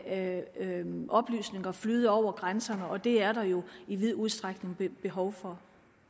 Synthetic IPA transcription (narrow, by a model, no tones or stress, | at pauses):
ʔɒ̽b̥ly̰ːsne̝ŋɐflyːð̞̩ˠɒʊ̰ɐɡ̥ʁansɐnəɒ̽d̥e̝æɐɾ̥ɑ̈jo̝iʋið̞̰ˠuð̞ˠsd̥ʁaɡ̥ne̝ŋbb̥e̝ɦɒʊfɒ̽